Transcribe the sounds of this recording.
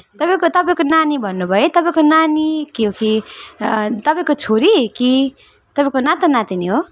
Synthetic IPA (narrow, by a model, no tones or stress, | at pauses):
t̪ʌpaj̃kot̪ʌpaĩj̃konanibʱʌnːubʱʌjet̪ʌpãĩkonanikiɦoki | t̪ʌpãĩkot͡sʰoɾiki | t̪ʌpãĩkonat̪anãt̪iniɦo